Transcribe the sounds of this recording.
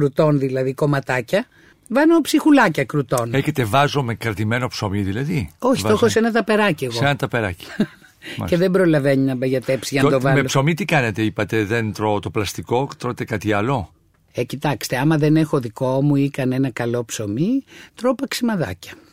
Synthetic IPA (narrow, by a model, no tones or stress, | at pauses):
kɾut̪o̞nðilɐðiko̞mɐt̪ɐcɐ | vɐnopsixulɐcɐkɾut̪o̞neçet̪e̞vɐzo̞mekɾɐt̪ime̞no̞psomiðilɐðio̞çiitoxosenɐt̪ɐpe̞ɾɐcieɣsoenɐt̪ɐpeɾɐci̥̰ | ce̞ðe̞mbɾo̞lɐve̞ɲinɐbeʝɐt̪e̞psiʝɐnɐɐt̪ovɐmeloso̞mit̪ikɐnet̪eipɐt̪e̞ðent̪ɾot̪o̞plɐst̪iko̞t̪ɾot̪ekɐt̪iɐlo̞ | ecit̪ɐkst̪e̞ɐmɐðe̞ne̞xo̞ðiko̞muikɐnenɐkɐlo̞pso̞mit̪ɾo̞pɐksimɐðɐ̰cɐ̥